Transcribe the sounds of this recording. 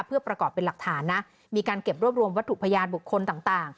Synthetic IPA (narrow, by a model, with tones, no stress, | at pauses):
pʰɯ˥˩ɐpɾa˧kɔː˨˩pːe˧nla˨˩k̚t̪ʰaː˩˦nːa˦˥ʔ | miː˧kaː˧nke˨˩p̚ɾu˥˩əp̚ɾu˧əmwa˦˥t̪ʰːu˨˩pʰa˧jaː˧nbu˨˩kʰːo˧nt̪aː˨˩ŋt̪aː˨˩ŋ